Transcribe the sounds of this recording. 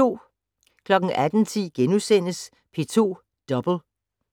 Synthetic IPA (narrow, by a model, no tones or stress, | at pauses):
o̝̰ː | kʰlɒ̽ɡ̥n̩ʔæd̥n̩t͡sʰḭːɡ̥enusen̰əs | pʰe̝t͡sʰo̝̰ː | d̥ɒb̥l̩